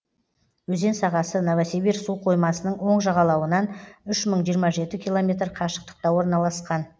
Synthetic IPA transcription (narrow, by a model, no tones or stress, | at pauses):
wɵze̞nsɑʁɑsənovasibiɾsuqʰo̞jmɑsənəɴwo̞ɴʒɑʁɑlˠɑwənɑnʏʃməɴʒijəɾmɑʒe̞t̪ɪkʲʰilˠo̞mʲe̞t̪̬ɾqʰɑʃə̥q̚t̪ə̥q̚t̪ɑwo̞ɾənɑlˠɑsqɑn